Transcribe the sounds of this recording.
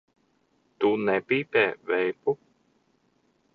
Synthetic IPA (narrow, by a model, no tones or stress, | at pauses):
t̪unɛpiːt̪ɛːvɛjpu